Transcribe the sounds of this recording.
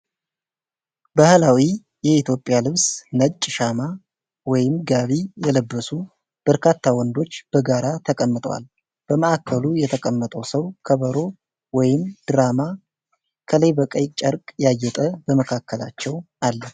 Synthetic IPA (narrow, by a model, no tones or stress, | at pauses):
bahlawi | jɛit̪ʰjo̞pʼːɪjalɨβsnət͡ʃʼːʃama | wɔjɪmɡaβijɛləbːəsu | b̥əɾkʰat̪ʰːawɔnd̪o̞t͡ʃːb̥əɡaɾat̪ʰəkʼəmːɨt̪ʼwa̰l | b̥əməakʰːəlujɛt̪ʰəkʼəmːət̪ʼəwsəwkʰəβəɾo̞ | wɔjɪmd̪̥ɨɾama | kʰələjbəkʼəjt͡ʃʼəɾkʼjajːɛt̪ʼəbəməkʰakːəla̰t͡ʃːɛw | alːə